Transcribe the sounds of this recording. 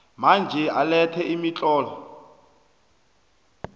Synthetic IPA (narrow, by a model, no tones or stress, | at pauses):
mand͡ʒʱɛalɛtʰɛimit͡ɬʼɔːla